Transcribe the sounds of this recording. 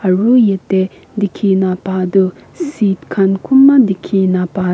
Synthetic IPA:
ɐɹujetːe | d̪ikʰinapad̪u | sit̚kʰankʰumːad̪ikʰinapa

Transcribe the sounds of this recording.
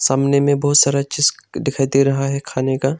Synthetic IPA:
saːmnemẽbɐɦʊt̪saːɾaʃʰɪsɖɪkʰajt̪iɾɐɦaɦɛkʰaːnekaː

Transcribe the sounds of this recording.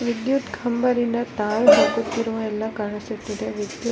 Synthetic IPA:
ʋid̪jut̪ɡʰʱɐmbɐɾind̪ɐt̪aːjɦɐːkut̪ːiɾuʋɐɛlːɐkaːɳisut̪ːid̪eʋid̪ju

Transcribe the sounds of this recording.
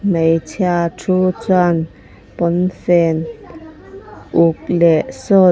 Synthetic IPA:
mejt͡sʰjatʰut͡swan | pɔnsɛn | ʔuk̚lɛʔsɔ

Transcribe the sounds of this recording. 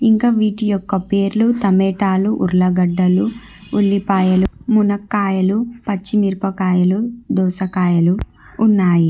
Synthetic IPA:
iŋkaʋiːʈijɔkːɐpeːɾlut̪ɐmɛːʈaːluʔuɾlɐɡɐɖːɐluː | ɭːipaːjɐlumunɐkːaːjɐlupɐt͡ʃːimiɾpɐkaːjɐlud̪ɔːsɐkaːjɐluː | nːaːji

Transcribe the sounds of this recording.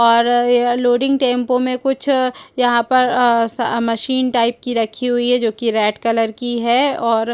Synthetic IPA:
ɔːɾloːɖɪ̃ŋɡ̚ʈẽːmpõmẽkʊt͡ʃʰjɐɦãpɐɾsmɐʃiːnʈaːɪp̚kiɾɐkʰːiɦʊiɦɛd͡ʒoːkiɾɛːʈkɐləɾkiɦɛɔːɾ

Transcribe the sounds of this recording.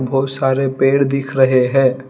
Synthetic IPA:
bʱɔːt̪saːɾepeːɽd̪ɪkʰɾɐɦeɦɛ̃ː

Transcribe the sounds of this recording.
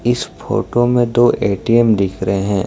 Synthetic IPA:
ɪsfo̰ːʈomẽd̪oːʔeːʈiɛmd̪ɪkʰɾəɦeɦɛ̃ː

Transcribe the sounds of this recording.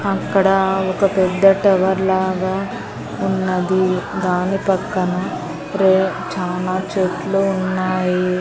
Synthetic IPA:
ɐkːɐɽɐɔkɐpɛd̪ːɐʈɛʋɐɾlaːɡaː | unːɐd̪id̪aːnipɐkːɐnɐ | ɾeː | t͡ʃaːlaːt͡ʃeːʈluunːaːji

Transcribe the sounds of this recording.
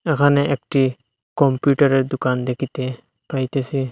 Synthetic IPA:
ekʰanɛek̚ʈi | kɔmpjuʈaɾeɾd̪ukand̪ekʰit̪e | pajt̪esi

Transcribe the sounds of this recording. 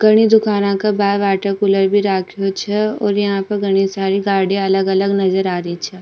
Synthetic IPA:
ɡ̥ɐɽ̃id̪ʊkaːnãkabaːʋaːʈəkʊləɾbʱiɾaːkʰjot͡ʃʰɛɔːɾjɐɦãpɐɾɡɐɽ̃isaːɾiɡaːɽẽɐləɡɐləɡnɐzəɾaːɾəit͡ʃʰɛː

